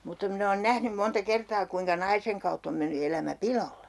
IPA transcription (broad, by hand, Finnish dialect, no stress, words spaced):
mutːɑ min oːn næhnym montɑ kertɑː kuiŋkɑ nɑiseŋ kɑutː om menːy elæmæ pilolːe